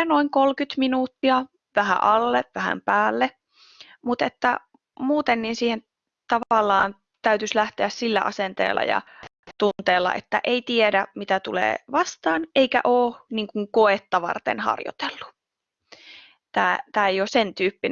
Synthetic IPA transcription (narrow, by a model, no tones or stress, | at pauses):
noiŋkolkyt̪minuːt̪ːiɑ | ʋæhæ̰ʔɑlːeʋʋæhæ̰mpæːlːe | mut̪et̪ːæ | muːt̪enːiːnsiːhen | t̪ɑʋɑlːɑːn | t̪æyt̪yslæht̪eæssilːæʔɑ̰sent̪ḛːlːɑ̰jɑ̰ | t̪unt̪eːlːɑ̰ʔet̪ːæ̰ʔeit̪iedæmit̪æt̪ulḛːʋɑst̪ɑːnʔeikæ̰ʔoːniŋkuŋkoet̪ːɑʋɑ̰rt̪ḛnhɑ̰rjo̰t̪elːu̥ | t̪æːt̪æːejosent̪yːpːin